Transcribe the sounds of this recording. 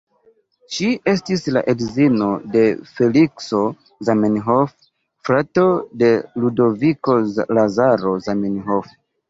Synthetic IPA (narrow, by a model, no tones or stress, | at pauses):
ʃie̞stisla̰ʔedzino̞de̞fe̞likso̞ | zamenɦof | fɾato̞de̞ludo̞viko̞lazaɾo̞zamenɦof